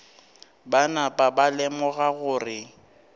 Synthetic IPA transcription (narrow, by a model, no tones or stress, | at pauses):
banapʼabalɛmɔɣaɣʊːrɪ